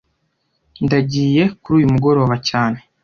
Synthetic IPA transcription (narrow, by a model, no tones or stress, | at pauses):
ndaɟiːje̞kuɾuːjumuɡo̞ɾo̞ːβacaːne̞